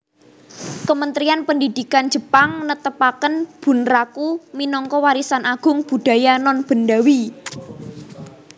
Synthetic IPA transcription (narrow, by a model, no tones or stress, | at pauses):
kəmənt̪ɾianpəndid̪̥i̤kand̥d͡ʒ̥ə̤paŋnət̪əpakənb̥ṳnrakuminɔŋkɔwaɾisanʔaɡ̥ʊ̤ŋb̥ṳd̪̥ä̤janɔnb̥ə̤nɖa̤wi